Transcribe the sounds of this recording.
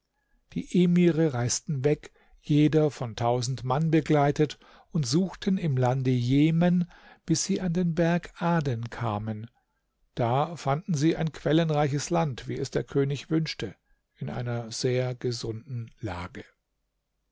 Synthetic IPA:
d̥ḭːʔeːmiːʁəʁaɪstn̩vɛk | jeːdɐfɔntʰaʊzn̩tmanbəɡlaɪtət | ʊntz̥uːxtʰənɪmlandəjeːmən | b̥ɪsiːʔandeːnbɛɐkʔaːdɛnkʰaːmən | d̥aːfandn̩ziːaɪnkʰv̥ɛlənʁaɪçəslantv̥iːɛsd̥eːɐkʰøːnɪçv̥ʏnʃtə | ʔɪnʔa̰ɪnɐz̥eːɐɡəzʊndn̩la̰ːɡə

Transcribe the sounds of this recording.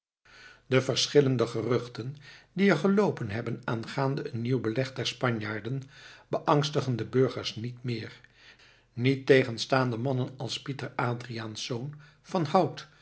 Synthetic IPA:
d̥əvəɹsχɪləndəχərɵχtəndiəɹχəlowpənɦɛbənaːnχaːndəənniwbəlɛχdɛɹspɑɲjaːɹdənb̥əʔɑŋstəχəndəbɵɹχəɹsnitmɪːɹ | nitːejχənstaːndəmɑnənɑlˠspitəɹaːdriaːnsown | v̥ɑnhʌwt

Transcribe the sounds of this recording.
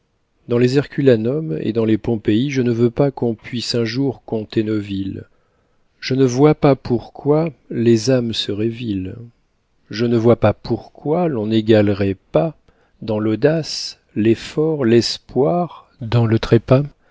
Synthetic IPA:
d̪ɑ̃lezɛʁkʲylanɔmḛd̪ɑ̃lepɔ̃peiʒənəvøpakɔ̃pɥisɛ̃ʒuʁkɔ̃t̪enovil | ʒ̥ənəvwapapuʁkwalezamsəʁɛvil | ʒənəvwapapuʁkwalɔ̃neɡalʁɛpa | d̪ɑ̃lod̪as | lɛfɔʁlɛspwaʁ | d̪ɑ̃lət̪χɛpa

